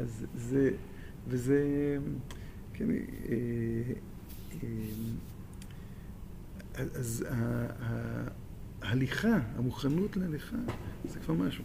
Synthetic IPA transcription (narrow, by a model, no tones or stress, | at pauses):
azze | veze | kʰen̰e | em | aazaha | haliχaa̰muχanutlehaliχazekv̥aʁmaʃu